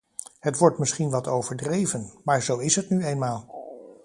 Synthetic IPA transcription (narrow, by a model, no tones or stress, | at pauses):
ɦətʋɔɹtmɪsχinʋɑtowvəɹdrejvənmaːɹzowɪsɦətnyejnmaːlˠ